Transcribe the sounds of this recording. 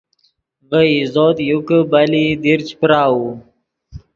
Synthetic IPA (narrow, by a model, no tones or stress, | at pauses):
vəizoːt̪jukbalid̪iɾt͡ɕpɾaːwu